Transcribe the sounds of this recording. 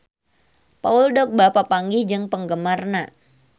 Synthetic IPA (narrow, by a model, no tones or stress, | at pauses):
pauldɔk̚bapapaŋɡihd͡ʒɨŋpəŋɡəmarna